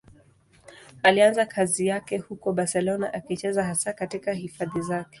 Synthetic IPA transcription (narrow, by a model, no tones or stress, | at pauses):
alianzakʰazijakɛhukɔɓaɾsɛlɔnaʔakit͡ʃɛzaɦasakatikahifaðizakɛ̥